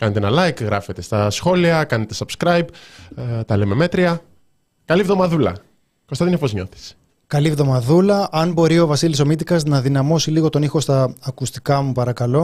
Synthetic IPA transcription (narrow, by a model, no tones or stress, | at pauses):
kɐnet̪eenɐlɐjkɣɾɐfe̞t̪e̞st̪ɐsxo̞liɐkɐnet̪e̞sɐbskɾɐjb̚ | t̪ɐleme̞me̞t̪ɾiɐ | kɐlivðomɐðulɐ̰ | ko̞st̪ɐt̪inepo̞zɲo̞t̪i̥s | kɐlivðo̞mɐðulɐʔɐnbo̞ɾio̞vɐsilis̬o̞mit̪̬ikɐznɐðinɐmo̞siliɣo̞t̪o̞nixo̞st̪ɐːkust̪i̥kɐmupɐɾɐkɐlo̞